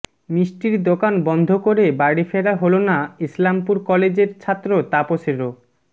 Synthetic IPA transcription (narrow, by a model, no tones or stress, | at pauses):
misʈiɾd̪okanbɔnd̪ʱokoɾebaɽifeɾaɦolonaislampuɾkɔled͡ʑeɾt͡ɕʰat̪ːɾot̪aposeɾo